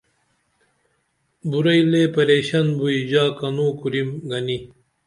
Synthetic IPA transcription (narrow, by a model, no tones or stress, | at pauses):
buɾɐjleːpɐɾeːɕɐnbuid͡ʑaːkɐnuːkuɾimɡɐni